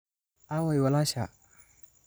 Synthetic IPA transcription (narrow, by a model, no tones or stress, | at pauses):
awajwalaʃa̰